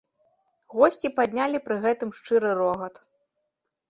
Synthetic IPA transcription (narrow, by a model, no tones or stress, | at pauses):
ɣɔsʲt͡sʲipad̪ʲnʲalʲipɾɨɣɛt̪ɨmʂt͡ʂɨɾɨɾɔɣɐt̪